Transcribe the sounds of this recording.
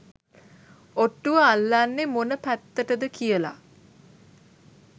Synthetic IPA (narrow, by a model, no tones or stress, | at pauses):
oʈːuʋəalːanːemonəpæt̪ːəʈəd̪əkijəla̰